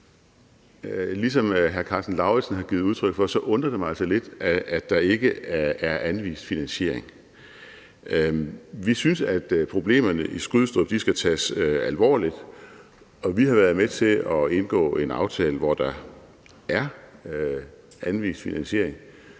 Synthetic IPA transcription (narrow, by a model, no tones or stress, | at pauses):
lisɒ̽mɦæɐkʰɑ̈ːsd̥n̩lɑ̈ʊe̥sn̩ɦɑ̈ɡ̥iːð̩ˠuð̞ˠt͡sʰʁœɡ̥fɒ̽sɒ̽ʔɔ̽nd̥ʁɐd̥e̝mælsɒle̝d̥ːɑ̈e̝ɡ̥əææɐʔænʋḭːsd̥finænɕe̝ɐ̰e̝ŋ | ʋisynsæd̥pʰʁo̝b̥le̝̰ːmɐnəʔisɡ̥uðˠsd̥ɔb̥d̥isɡ̥æt͡sʰɛ̰ːsøælʋɒ̰ːlid̥ | ɒ̽ʋiɦɑ̈ʋæːɐðˠmet͡sʰe̝lɒ̽e̝nɡ̥ɔ̰̽ːe̝nɑ̈ʊt͡sʰɛːləʋɒd̥ɑ̈ | ʔæɐ | ʔænʋḭːsd̥finænɕe̝ɐ̰e̝ŋ